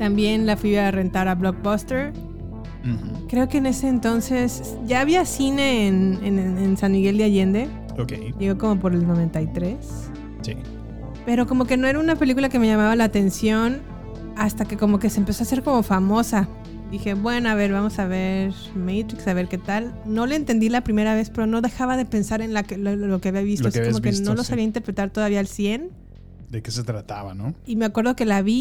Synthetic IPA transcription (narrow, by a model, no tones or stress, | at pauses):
t̪ambje̞nlafwiare̞nt̪aɾaβlok̚bast̪e̞ɾ̩ | kɾe̞o̞ke̞ːne̞se̞ːnt̪o̞nse̞s | ʝaːβiasine̞ːnenensanmiɣe̞ld̪jaʝe̞nd̪e̞ | okḛjʝe̞ɣoko̞mo̞p̬o̞ɾe̞lno̞β̞e̞nt̪ajt̪ɾe̞s | sḭ | pe̞ɾo̞ko̞mo̞ke̞noe̞ɾaunape̞likulake̞me̞ʝamaβalaːt̪e̞nsjo̞n | ast̪ake̞ko̞mo̞ke̞seːmpe̞so̞ase̞ɾko̞mo̞famo̞sa | d̪ixe̞βwe̞noaβe̞ɾβamo̞saβe̞ɾ | mejt̪ɾiksaβ̞e̞ɾke̞t̪alno̞leːnt̪e̞nd̪ilapɾimeɾaβe̞spe̞ɾo̞no̞ðe̞xaβaðe̞pe̞nsaɾe̞nlakello̞keaβiaβist̪osikomoeno̞lo̞saβiaint̪epɾet̪aɾt̪oðaβialsje̞n | d̪ekeset̪ɾat̪a̰βanoime̞akwe̞ɾð̞o̞ke̞laβi